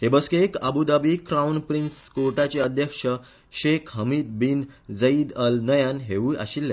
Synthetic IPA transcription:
ɦebəskekə̰bud̪abikɾawnpɾinskoɾʈat͡ɕeəd̪ʱjəkʂə | ɕekʰɦəmiːd̪̚bind͡zəid̪əlnəjanɦeʋuʔa̰ɕilːa

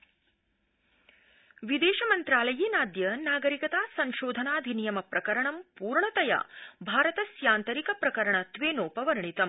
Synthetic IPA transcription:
ʋid̪eːʃɐmɐnt̪ɾaːlɐjiːnaːd̪jɐnaːɡɐɾikɐt̪aːsɐŋʃoːd̪ʱɐnaːd̪ʱinijɐmɐpɾɐkɐɾɐɳɐmpuːɾɳɐt̪ɐja̰ːbʱaːɾɐt̪ɐsjaːnt̪ɐɾikɐpɾɐkɐɾɐɳɐt̪ʋeːnoːpɐʋɐɾɐɳit̪ɐm

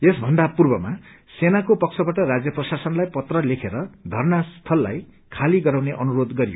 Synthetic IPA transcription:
esbʱʌnd̪apurbʌma | senakopʌk̚sʰʌbaʈʌrad͡zjʌprʌsasʌnlajpʌt̪rʌlekʰeɾʌd̪ʱʌrnast̪ʰʌlːa̰j | kʰaliɡʌɾawneʔʌnuɾod̪ɡʌɾijo̰

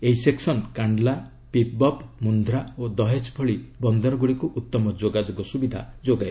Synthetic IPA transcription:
eɦiseksɔnkaɳɖla | pip̚bɔpmund̪ʱɾaod̪ɔɦet͡ʃpʰɔɭibɔnd̪ɔɾɔɡuɽikuʔut̪ːɔmɔd͡ʒoɡad͡ʒoɡɔsubid̪ʱa̰d͡ʒoɡaj

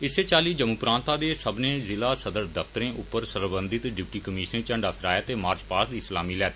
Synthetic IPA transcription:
ɪseːt͡ʃaːliːd͡ʒəmuːpɾãːnt̪aːd̪eːsəbnẽːzɪlaːsəd̪əɾd̪əfʰt̪əɾẽːʔʊpːəɾsəɾbə̃nd̪ɪt̪ɖɪpʈiːkəmiːʃnẽt͡ʃəɳɖaːpʰɪɾaːjaːt̪eːmaːɾt͡ʃpaːsd̪iːslaːmiːlɛːt̪ː

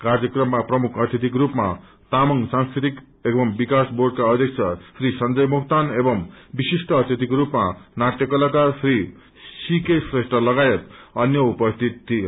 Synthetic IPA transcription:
kard͡zʌkrʌmːaprʌmukʰʌt̪ʰjit̪ikrupma | t̪amʌŋsãŋskɾit̪ik | ebʌmbikasborɖkaʌd̪ʱjʌk̚t͡sʰʌsrisʌnd͡zʌjmukt̪anebʌmbisisʈʌːt̪ʰjit̪ikrupmanaʈjʌkʌlakasri | sikesresʈrʌlʌɡajet̪ʌnjʌupʌst̪ʰit̪t̪ʰːi

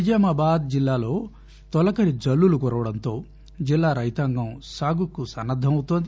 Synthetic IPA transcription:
id͡ʒɐmaːbaːd̪̚d͡ʒilːaːlo̞ː | t̪ɔlɐkɐɾid͡ʒɐlːulukɔɾɐʋɐɽɐnt̪o̞ː | d͡ʒilːaːɾɐjt̪aŋɡɐmsaːɡukːusɐnːɐd̪ʱːɐmɐwut̪ond̪i

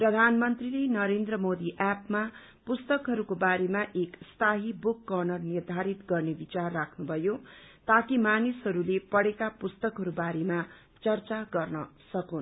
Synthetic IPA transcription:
prʌd̪ʱanmʌnt̪rilenʌɾend̪rʌmod̪iʔapma | pust̪ʌkɦʌɾukobaɾemaʔekst̪ʰaɦibukːʌrnʌrnird̪ʱaɾit̪ɡʌrnebit͡sarːakʰnubʱʌjot̪akimanisɦʌɾulepʌɽekapust̪ʌkɦʌɾubaɾema | t͡sʌrt͡saɡʌrnʌsʌkun

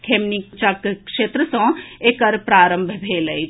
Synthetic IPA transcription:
kʰemnikt͡ʃakkʃet̪ɾəsə̃ekəɾpɾaɾəmbʱbʱeləjt͡ʃ

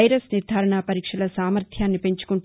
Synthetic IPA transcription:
jɾɐsniɾd̪ʱaːɾɐɳaːpɐɾiːkʂɐlɐsaːmɐɾt̪ʰjaːnːipe̞ɲt͡ʃu̥kuɳ

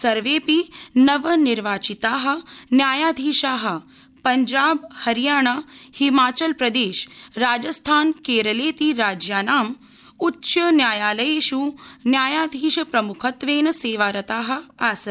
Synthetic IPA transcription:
sɐɾʋeːpinɐʋɐniɾʋaːt͡ʃit̪aːɦɐ̆njaːjaːd̪ʱiːʃaːɦɐ̆ | pɐɲd͡ʒaːbhɐɾjaːɳ̃ahimaːt͡ʃɐlpɾɐd̪eːʃɾaːd͡ʒɐst̪ʰaːnkeːɾɐleːt̪iɾaːd͡ʒjaːnaːm | ut͡ʃːʃɐnjaːjaːlɐjeːʃunjaːjaːd̪ʱiːʃɐpɾɐmukʰɐt̪ʋeːnɐseːʋaːɾɐt̪aːɦɐ̆aːsɐ

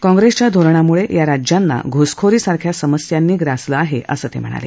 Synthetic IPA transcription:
kɔ̃ŋɡɾest͡ɕjad̪ʱoɾɳamuɭejaɾad͡ʑjanːa̰ɡʱoskʰoɾiːsaɾkʰjasəməsjanːiːɡɾasləaɦeʔəsəːt̪ḛm̤ə̰ɽ̃a̰lḛ

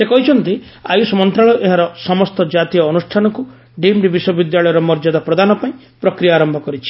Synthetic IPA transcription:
sekɔɦit͡ʃʰɔnt̪i | ajusmɔnt̪ɾaɭɔʔeɦaɾɔsɔmɔst̪ɔd͡ʒat̪ijɔːnusʈʰanɔku | ɖimɾibiʃɔbid̪jaɭɔjɔɾɔmɔɾd͡ʒad̪apɾɔd̪anɔpaĩ | pɾɔkɾijaːɾɔmbʱɔkɔɾit͡ʃʰi̥

